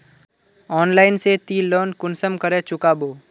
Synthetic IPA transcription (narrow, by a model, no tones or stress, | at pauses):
ɔːnlaːɪnset̪iloːnkʊnsəmkəɾẽt͡ʃʊkaːboː